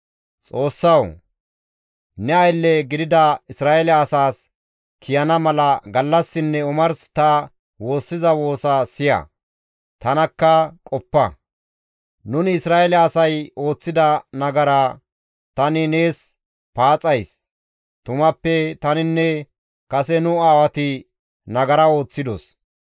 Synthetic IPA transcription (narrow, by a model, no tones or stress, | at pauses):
t͡sʼo̞ːsːɐw | nɛɐjlːɛɡɪd̪ɪd̪ɐɪsɾaːɛlɛɐsaːs | kʰɪjɐnɐmɐlɐɡɐlːɐsːɪnːɛʊmɐɾst̪ɐ | wo̞ːsːɪzɐwo̞ːsɐsɪjɐ̰ | t̪ɐnɐkːɐkʼɔpːɐ | nʊnɪsɾaːɛlɛɐsɐjo̞ːt͡sːɪd̪ɐnɐɡɐɾɐ | t̪ɐnɪne̞ːs | paːt͡sʼɐjs | t̪ʊmɐpːɛt̪ɐnɪnːɛ | kɐsɛnʊaːwɐt̪ɪ | nɐɡɐɾɐo̞ːt͡sːɪd̪ɔ̰s